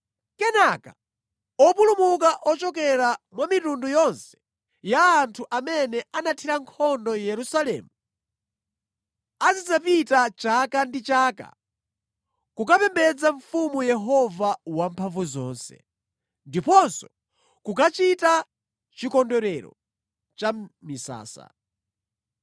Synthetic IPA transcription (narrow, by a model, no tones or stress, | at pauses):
kɛnaka | ɔpulumukaʔɔt͡ʃɔkɛɾamwamitundujɔnsɛ̥ | jaːntʰuʔamɛnɛanatʰiɾaŋkʰɔndɔjɛɾusalɛ̰ːmu | at͡ʃid͡zapitat͡ʃakandit͡ʃaːka̰ | kukapɛmbɛd͡zaɱ̩fumujɛɦɔvawampʰaɱvuzɔ̰ːnsɛ̰ | ndipɔnsɔ | kukat͡ʃita | t͡ʃikɔndɔɾɛɾɔ̰ | t͡ʃamisa̰ːsa̰